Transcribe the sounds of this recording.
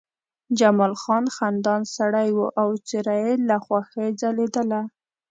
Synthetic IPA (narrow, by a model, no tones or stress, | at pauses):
d͡ʒamɑlxɑnxand̪ɑnsaɽajwuʔawt͡sɪɾajelaxwaxed͡zaled̪əla